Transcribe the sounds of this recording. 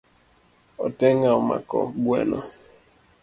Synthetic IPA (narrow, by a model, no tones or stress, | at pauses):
ɔtɛŋaɔma̰kɔ̰ɡwɛ̰nɔ